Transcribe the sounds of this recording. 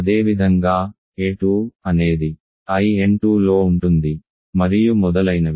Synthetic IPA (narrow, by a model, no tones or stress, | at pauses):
ɐd̪e̞ːʋid̪ʱɐŋɡaː | eːʈuːɐne̞ːd̪i | ɐjieɳʈuːlo̞ːuɳʈund̪i | mɐɾijumɔd̪ɐlɐjnɐ